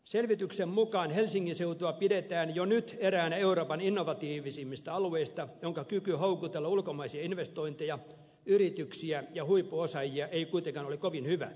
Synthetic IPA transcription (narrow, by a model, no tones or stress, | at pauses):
selʋit̪yksemmukɑːnhelsiŋːinseut̪uɑpidet̪æːnjonyt̪eɾæːnæeuroːpɑninːoʋɑt̪iːʋisimːist̪æɑlueist̪ɑjoŋkɑkykyhoukut̪elːɑulkomɑisiɑinʋest̪oint̪ejɑ | yrit̪yksiæjɑhuipːuosɑjiɑʔeikuit̪eŋkɑːnolekoʋinhyʋæ̰